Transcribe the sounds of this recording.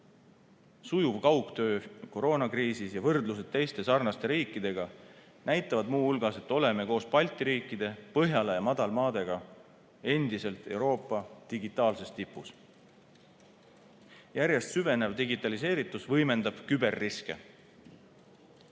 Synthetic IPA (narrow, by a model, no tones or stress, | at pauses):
sujuvkɑwkt̪ø̞ːko̞ɾo̞ːnɑkriːsisjɑvɤrd̪lus̬ed̪̥̚t̪ːe̞jst̪e̞sɑrnɑst̪e̞ɾiːkːˑid̪̥e̞ɡ̥ɑ | næjt̪ˑːɑvɑd̪muːulɡ̥ɑse̞t̪ːˑo̞le̞meko̞ːspɑlʲt̪ˑiɾiːkːˑid̪̥e̞pɤɦjɑlejɑmɑd̪̥ɑlmɑːd̪̥e̞ɡ̥ɑ | e̞nd̪̥ise̞lt̪ˑe̞wɾo̞ːpˑːɑd̪̥iɡit̪ːˑɑːlse̞st̪ipːˑus | jæɾje̞st̪syve̞ne̞vd̪iɡit̪ːˑɑlis̬e̞ːɾit̪ːˑusvɤjme̞nd̪ɑb̥kybe̞rːiske̞̰